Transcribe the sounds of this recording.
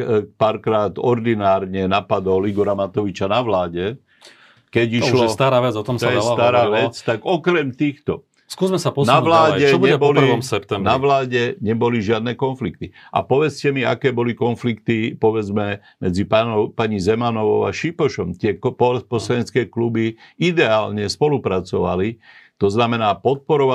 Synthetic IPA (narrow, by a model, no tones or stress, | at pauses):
paɾkɾaːt̪ɔɾd̪inaːɾɲɛnapad̪ɔliɡɔɾamat̪ɔʋit͡ʃanaʋlaːɟɛ | kɛɟiʃlɔst̪aɾaːʋɛd͡zɔt̪ɔmst̪ɔɛst̪aɾaːʋɛt͡st̪aɡɔkɾɛmt̪iːxt̪ɔ | skuːzmɛsapɔnaʋlaːɟɛbuɛɛbɔliɔmsɛpt̪ɛmnaʋlaːɟɛɲɛbɔliʒɪad̪nɛːkɔnflik̚t̪ia̰pɔʋɛt͡scɛmia̰kɛːbɔlikɔnflikt̪ipɔʋɛd͡zmɛ | mɛd͡zipapaɲizɛmanɔʋɔʊaʃipɔʃɔmt̪ɪɛkpɔpɔsɛɲɛt͡skɛːklubiid̪ɛaːlɲɛspɔlupɾat͡sɔʋa̰li | t̪ɔznamɛnaːpɔt̪̚pɔɾɔʋa